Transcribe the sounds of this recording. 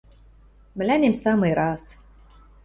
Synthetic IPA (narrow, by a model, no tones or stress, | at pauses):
m̆lʲænʲemsɑmɨjɾɑs